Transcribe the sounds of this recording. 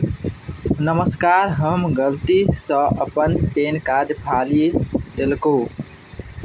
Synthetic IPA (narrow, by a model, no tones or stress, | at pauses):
nəməskaːɾɦəmɡəlt̪isə̃əpənpeːnkad̪pʰalid̪elkõː